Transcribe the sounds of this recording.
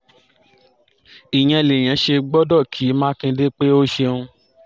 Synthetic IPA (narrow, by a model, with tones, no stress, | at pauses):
i˨j̃ɛ̃˧˨le˨j̃ɛ̃˨˦ʃe˧ɡ͡bɔ˦dɔ˦˨kʰi˨˦mãː˦kĩ˧de˦k͡pe˦o˦ʃe˧ũ˧